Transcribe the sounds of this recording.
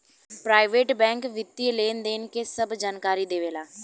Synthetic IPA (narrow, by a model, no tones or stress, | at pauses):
pɾaːɪʋeːʈbɛ̃ːŋkʋɪt̪ːiːleːnd̪eːnkeːsəbd͡ʒaːnkaːɾiːd̪eːʋeːlaː